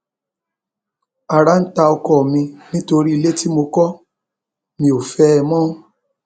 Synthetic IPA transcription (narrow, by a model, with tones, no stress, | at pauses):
a˨ɾa˨˦n̩˦ta˧ɔ˧kɔ˦˨mĩ˧nĩ˦to˧ɾi˦i˧le˦ti˦mo˧kɔ˦ | mĩ˧˦o˨fɛ˦˧mɔ̃ː˦